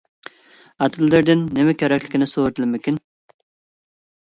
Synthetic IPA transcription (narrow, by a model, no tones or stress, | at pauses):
ɑt̪ʰɨlːɪɾd̪ɪnːɪmɛkʲʰeɾɛkʲʰlɪkʲnɪsoɾɨt̪ʰɨlɪmɪkʲyn